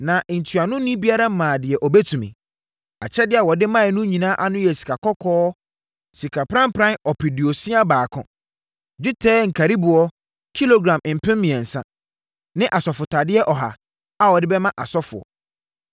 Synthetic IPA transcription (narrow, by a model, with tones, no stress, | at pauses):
nã˨ʔn̩˨tʰɥa˨nʊ̃˦nĩ˦bi˦a˦ɾa˦mãː˨dɪ˨ɛ˨ʔɔ˨bɛ˦tʰũ˨mḭ̃˨ | a̰˨t͡ɕʰɛ˦dɪ˨˦a˨wɔ˨dɪ˦mã˦ɛ˨nʊ̃˦ɲĩ˨nã˦ʔa˦nʊ̃˦jɛ˨si̥˨kʰa˨kʰɔ˦kʰɔː˦ | si˨kʰa˨pʰɾã˦m˦pʰɾã˦nɔ˨pʰɪ˨di˨ɔ˨sĩ˦a˦baː˨kʰʊ̰̃˨ | d͡ʑᶣɪ˦tʰɛː˦ŋ̩˨kʰa˨ɾi˦bʊ˨ɔ˦ | kʰi˦lo˦ɡɾã˨m˨m̩˨pʰɪ̃˦mmɪ̃˨ɛ˨n̩˨sã̰˦ | nɪ̃˦ʔa˨sɔ˨fʊ˨tʰa˨dɪ˦ɛ˦ʔɔ˨ɦa̰˨ | a˨wɔ˨dɪ˦bɛ˦mã˦ʔa˨sɔ˦fʊ̰˨ɔ̰˨